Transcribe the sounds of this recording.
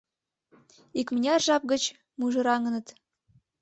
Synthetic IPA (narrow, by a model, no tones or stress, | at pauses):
ikmənʲeɑrʒɑp̚ɣət͡ɕ | muʒɤ̆ɾɑŋə̆nə̆t̪